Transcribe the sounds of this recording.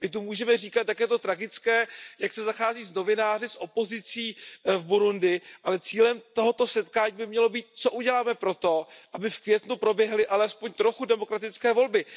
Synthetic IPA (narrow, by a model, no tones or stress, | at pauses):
mɪt̪umuːʒɛmɛriːkat̪jakjɛt̪o̞t̪ɾaɡɪt͡skɛːjaksɛzaxaːziːzno̞vɪnaːr̝ɪsʔo̞po̞zɪt͡siːvbuɾundɪɪʔalɛt͡siːlɛmt̪oɦot̪o̞sɛt̪kaːɲiːbɪmɲɛlo̞biːt̪̚t͡so̞ʔuɟɛlaːmɛpɾo̞t̪o̞ʔabɪfkvjɛt̪nupɾo̞bjɛɦlɪʔalɛspo̞ɲt̪ɾo̞xudɛmokɾat̪ɪt͡skɛːvo̞lbɪ